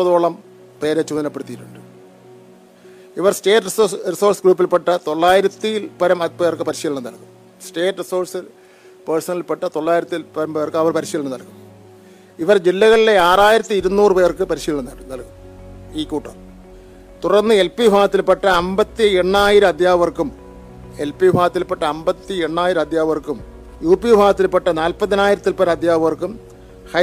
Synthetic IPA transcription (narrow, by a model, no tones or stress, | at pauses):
pːɐðo̞ːɭɐm | pe̞ːɾet͡ɕːumɐðinɐpːeɽut̪ːijiʈːuɳɖɨ | iʋɐrsʈe̞ːʈːrisriso̞ːrsɡɾuːpːilpːeʈːɐt̪o̞ɭːaːjiɾɐt̪ːilpɐɾɐmɐpe̞ːrkɨpɐɾiɕiːɭɳːɐnɐlkum | sʈe̞ːʈːriso̞ːrsɨ | persɐnɐlilpeʈːɐt̪o̞ɭːaːjiɾɐt̪ːilpɐɾɐmpeːrkɨɐʋɐrpɐɾiɕiːɭɐɳɐnɐlkum | iʋɐrd͡ʑilːɐɣɐɭileaːraːjiɾɐt̪ːiiɾunːuːrɨpeːrkɨpɐɾiɕiːɭnɐnːɐɽnɐlkum | iːkuːʈːɐ̰m | t̪urɐnːɨe̞lpibʱaːɣɐt̪ːilpeʈːɐɐmbɐt̪ːie̞ɳːaːjiɾɨɐd̪jaːʋɐrkum | e̞lpibʱaːɣɐt̪ːilpeʈːɐɐmbɐt̪ːie̞ɳːaːjiɾɨɐd̪jaːɐʋɐrkum | juːpibʱaːɣɐt̪ːilpeʈːɐnaːlpɐðɐnaːjiɾɐt̪ːilpɐɾɐd̪ʱjaːʋɐʋɐrkum | hɐ